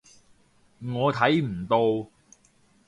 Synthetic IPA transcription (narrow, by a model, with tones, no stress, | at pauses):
ŋɔː˨˧t̪ʰɐ˨˥jm̩˨˩t̪o˧w